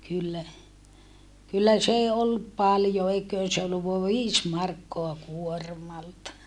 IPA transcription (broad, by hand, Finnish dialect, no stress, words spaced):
kylːæ kylːæ s eː olːup pɑljo eikˑøːn se olːuʋ ʋoɑʋ ʋiːs mɑrkːoɑ kuormɑltɑ